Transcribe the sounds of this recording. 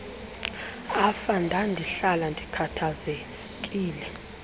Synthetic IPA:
afandʱandʱiɬalandʱikʰatʰaze | kʼiːlɛ

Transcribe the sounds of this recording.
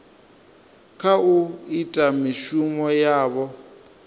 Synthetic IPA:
kʰauitʼamiʃumɔjaːβɔ

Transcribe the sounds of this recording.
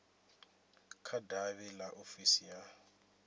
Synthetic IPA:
kʰadaβɛlaʔofisija

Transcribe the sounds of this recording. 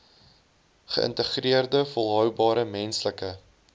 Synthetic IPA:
χə̰ʔə̰ntəχriərdəfolˠɦœwbɑːɾəmɛnsləkə

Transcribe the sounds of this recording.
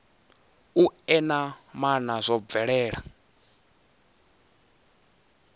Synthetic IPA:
uɛnamanazʷɔb̪vɛɺɛːɺa̰

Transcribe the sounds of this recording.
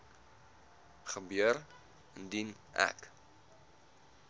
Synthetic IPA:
χəbyəɾ | əndin | æ̰k

